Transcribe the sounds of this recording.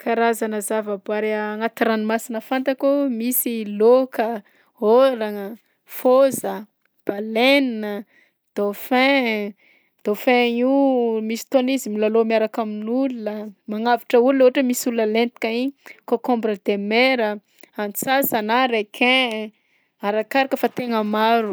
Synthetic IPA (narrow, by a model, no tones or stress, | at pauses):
kaɾazanəzavəbaɾŋat̪iɾanimasinəfant̪akumisilokə | oɾaŋə | fozə | b̥aleninə | d̪̥ofɛ̃ | d̪̥ofɛ̃imisi̥t̪onizimilalomiaɾakaminulunəmaŋaviʈ͡ʂəulunooaʈ͡ʂəmisulunəlent̪i̥kʲaikokɔ̃mbɾəd̪̥emeɾə | ant͡sazanaɾekʰẽ | aɾakaɾikəfat̪eŋəmaɾu